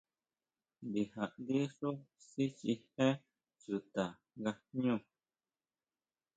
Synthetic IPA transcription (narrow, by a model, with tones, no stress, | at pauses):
bi˨ha˨ʔdi˦ʂu˦si˦t͡ʃi˧hɛ̃˦ | t͡su˨t̪a˨ | ɡa˧ɲũ˦˨